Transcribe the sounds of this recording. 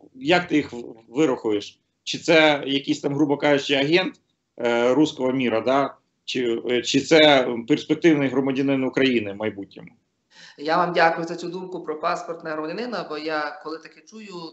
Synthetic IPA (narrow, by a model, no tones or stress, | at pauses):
jɐkt̪ɪjixʋɪɾɔxʊjeʃ | t͡ʃɪt̪sɛjɐkʲijsʲt̪ɑmɦɾubɐkɑʒɪt͡ʃɪɐɦɛnt̪ | ɾuskɔɦɔmʲiɾɐd̪ɑ | t͡ʃɪt͡ʃɪt̪sɛperspek̚t̪ɪwnɪjɦɾɔmɐdʲɐnɪnʊkɾɐjinɪmɐjbutʲnʲɔmʊ | jaʋamdʲakʊjʊzɐt͡sʲud̪umkʊpɾɔpaspɔrt̪nɐɾɔmɐdʲɐnɪnɐbɔjakɔlˠɪt̪ɐkɛt͡ʃujʊ